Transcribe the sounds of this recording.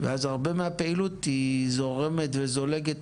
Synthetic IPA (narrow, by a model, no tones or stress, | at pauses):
vḛazaʁbe̞meape̞ilut̪hizo̞ʁe̞me̞tvezo̞le̞ɡet